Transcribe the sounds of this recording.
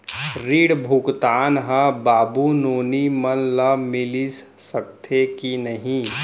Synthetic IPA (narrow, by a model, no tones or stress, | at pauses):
ɾiːɽbʱukt̪aːnɦə̃baːbunoːnimənləmɪlis | səkt̪ʰekinəɦĩ